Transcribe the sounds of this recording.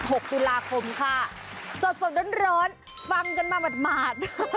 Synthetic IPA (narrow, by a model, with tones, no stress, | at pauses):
ho˨˩k̚t̪u˧laː˧kʰo˧mkʰa˥˩ | so˨˩t̪̚so˨˩t̚ɗoː˧˦˥nɾɔː˦˥nfa˧ŋka˧nmaː˧ba˨˩t̪̚maː˨˩t̪̚